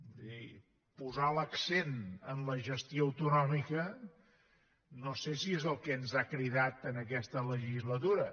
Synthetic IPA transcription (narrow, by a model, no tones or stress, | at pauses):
i | puzaləksenənləʒəst̪joəwt̪unɔmikə | nosesiezəlˠkɛnzakɾiðat̪ənək̬ɛst̪ələʒizlət̪uɾə